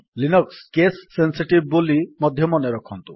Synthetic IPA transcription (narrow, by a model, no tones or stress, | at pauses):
linɔkskesːensiʈib̚ːolimɔd̪ʱjɔmɔneɾɔkʰɔnt̪ṵ